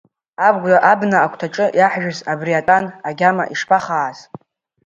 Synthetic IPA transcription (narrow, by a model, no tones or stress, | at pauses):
abɡʷaʔabnaakʷʰtʰaʈ͡ʂʼɨjaħʒᶣazabriatʼanaɡʲama̰ʔiʂpʰaχaːz̥